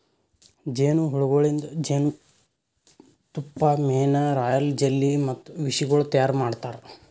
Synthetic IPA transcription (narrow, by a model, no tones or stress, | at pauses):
d͡ʒeːnuɦuɽuɡoɭind̪ɐd͡ʒeːnu | t̪upːɐmeːnɐɾaːjɐld͡ʒelːimɐt̪ːuʋiʂiɡɐɭut̪ɐjaːɾmaːɖt̪aːɾe